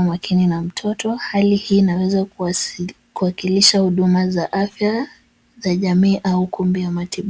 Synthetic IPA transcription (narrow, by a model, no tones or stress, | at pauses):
makʰininam̩tʰɔtɔhalihiːnawɛza | kuakiliʃahuɗumazaʔafja | zaʄamiːʔaukumbijamatiɓ